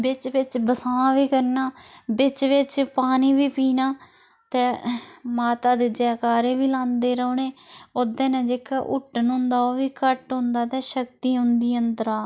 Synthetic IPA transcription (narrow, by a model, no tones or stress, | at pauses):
bɪt͡ʃʋɪt͡ʃbəsãːʋiːkəɾnaːbɪt͡ʃʋɪt͡ʃpaːniːʋiːpiːnaː | t̪eːmaːt̪aːd̪eːd͡ʒaːkaːɾẽːʋiːlãːnd̪eːɾəoːneːoːd̪ẽːnẽːd͡ʒeːkaʔʊʈnʊ̃ːnd̪aːoːʋiːkəʈɦʊ̃nd̪aːt̪ɛ̃ːʃəkt̪iːɦʊ̃nd̪iːənd̪əɾaː